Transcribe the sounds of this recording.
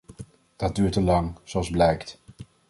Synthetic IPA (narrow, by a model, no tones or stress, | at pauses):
d̥ɑt̚dyːɹtəlɑŋz̥oɑlˠzblɛjkt